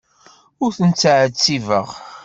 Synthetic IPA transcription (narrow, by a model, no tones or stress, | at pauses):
ʊɾθənt͡sːʕət͡sːivə̰ʁ